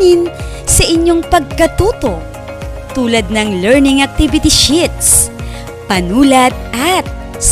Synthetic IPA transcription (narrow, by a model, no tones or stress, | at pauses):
ɪn | sɐʔɪɲːoŋpɐɡ̚kɐt̪uːt̪o̞ | t̪uːlɐd̪̚nɐŋlɛɹnɪŋɐk̚t̪ibɪt̪ɪʃɪt̪̚s | pɐnuːlɐt̪̚ʔɐt̪̚ | s